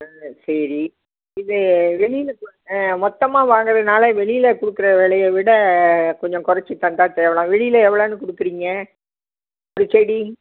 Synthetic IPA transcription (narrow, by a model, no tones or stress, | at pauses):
sɐɾi | ɪðɯʋɛɭɪjɪl | mɔt̪ːɐmaːʋaːŋɡɐɾɐðɐnaːleʋɛɭɪjɪlɐkʊɽɯkːɯɾɐʋeːɭɐjɐʋɪɽɐkɔɲd͡ʒɔ̃kʊɾɐt͡ʃːɯt̪ːãːnt̪ãːt̪ɛʋɐɭãːʋɛɭɪjɪlɐɛʋːɐɭoːnɯkʊɽɯkːɯɾiːŋɡɐ | ɔɾɯsɛɽi